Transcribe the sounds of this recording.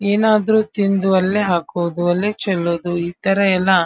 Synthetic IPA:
eːnaːd̪ɐɾuːt̪ind̪uɐlːeɦaːkoːd̪uɐlːet͡ʃɛlːoːd̪uiːt̪ɐɾɐɛlːɐ

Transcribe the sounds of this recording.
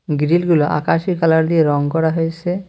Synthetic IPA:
ɡɾilɡuloʔa̰kaʃikalaɾd̪ieɾɔŋkɔɽaɦojt͡ɕʰe

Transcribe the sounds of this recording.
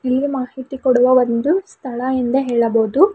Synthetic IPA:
ilːimaːhit̪ikoɽuʋɐʋɐnd̪ust̪ʰɐɭɐind̪ɐɦeːɭɐboːd̪u

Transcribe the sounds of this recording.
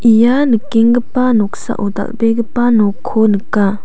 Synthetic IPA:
ʔijanɯkːeŋɡəpanɔk̚sa̰ʔoda̰k̚beɡəpanɔkʰːonɯkːa

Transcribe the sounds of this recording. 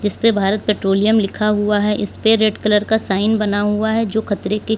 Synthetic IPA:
d͡ʒɪspebʱaːɾət̪̚peːʈɾoːlijəmlɪkʰaɦuaɦɛʔɪspeɾeːɖkələɾkasaːɪnbɐnaɦuaɦɛd͡ʒoːxɐt̪ɾeke

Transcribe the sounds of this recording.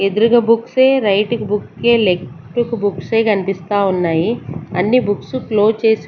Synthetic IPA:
ed̪uɾuɡɐbukseːɾɐjʈukubukːe̞ːle̞k | ʈukubukseːkɐnipist̪aːunːaːjiɐnːibuksuklo̞ːt͡ʃe̞ːsi

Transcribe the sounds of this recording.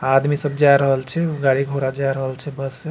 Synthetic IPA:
ad̪misəbd͡ʒaɾəɦəlt͡ʃʰɛɡaɽiɡʱoɾad͡ʒajɾəɦəlt͡ʃʰɛbəs

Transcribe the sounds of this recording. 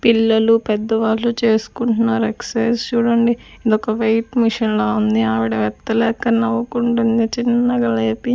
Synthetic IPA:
pilːɐlupɛd̪ːɐʋaːllut͡ʃe̞ːsu̥kuɳʈunaːɾekseːst͡ʃuːɽɐɳɖi | id̪ɔkɐʋɐjʈmiʂɐnloːund̪iaːʋiɽɐʋɛt̪ːɐlɛːkːɐnɐʋɐkuɳʈund̪it͡ʃinːɐɡɐleːpi

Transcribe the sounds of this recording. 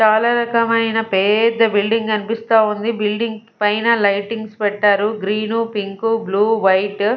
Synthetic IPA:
t͡ʃaːlaːɾɐkɐmɐjnɐpɛːd̪ɐbilɖiŋɡɐnipist̪aːund̪ibilɖiŋɡ | pɐjnɐlɐjʈiŋɡspɛʈːaːɾuɡɾiːnupiŋkubluːʋɐjʈ

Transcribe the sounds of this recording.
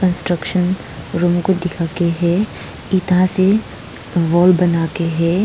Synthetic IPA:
kə̃nsʈɾəkʃən | ɾuːmkod̪ɪkʰakeɦɛ | it̪ãse | ʋɔːlbɐnaːkeɦɛː

